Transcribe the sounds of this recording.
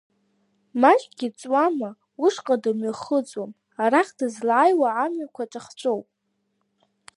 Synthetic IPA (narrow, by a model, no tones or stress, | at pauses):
maʒɡʲit͡sʼwama | uʂqʼadamɥaχət͡sʼwam | aɾaχdɨzlaːjwaːmɥakʷʰaʈ͡ʂʼaχt͡ʃʷʼowpʼ